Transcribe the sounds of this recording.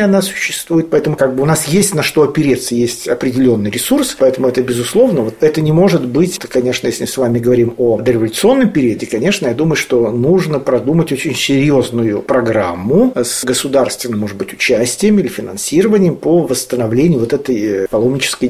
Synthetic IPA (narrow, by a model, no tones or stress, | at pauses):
ɐnasʊ̥ɕːɪst̪vujɪt̪̚pɐɛt̪əmʊkaɡ̚bɨʊnasjesʲtʲnɐʂt̪oɐpʲɪɾʲet̪səjesʲtʲɐpɾʲɪdʲɪlʲo̞nːɨjɾʲɪsurspɐɛt̪əmʊɛt̪əbʲɪzʊslˠo̞vnəvo̞t̪ɛt̪ənʲɪmo̞ʐɨt̪bɨtʲt̪əkɐnʲe̞ʂnəjesʲlʲɪmɨsvamʲɪɡəvɐɾʲimod̪əɾʲɪvəlʲʊt̪sɨo̞nːəmpʲɪɾʲiədʲɪkɐnʲe̞ʂnəjad̪uməjʊʂt̪o̞nuʐnəpɾɐd̪umətʲot͡ɕɪnʲsʲɪɾʲjo̞znʊjʊpɾɐɡɾamːʊsɡəsʊd̪arst̪vʲɪnːəmo̞ʐɨd̪̚bɨtʲʊ̥t͡ɕæsʲtʲɪjəmilʲɪfʲɪnɐ̰nsʲiɾəvənʲɪjəmpəvəst̪ənɐvlʲenʲɪjʊvo̞t̪ɛt̪əjpɐlˠo̞mnʲɪt͡ɕɪ̥skəj